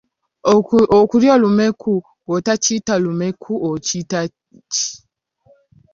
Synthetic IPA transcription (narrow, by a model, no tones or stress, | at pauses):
okuɾjolumekʰu | wotat͡ʃitalumekʰuʔocita | t͡ʃi̥